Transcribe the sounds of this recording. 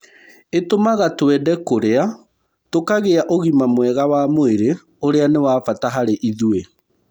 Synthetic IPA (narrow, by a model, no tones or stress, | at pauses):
etomaɣatwɛdɛkoɾea | tokaɣeaʔoɣimamwɛɣawamoeɾe | oɾeanewaːfataɦaɾeʔiðue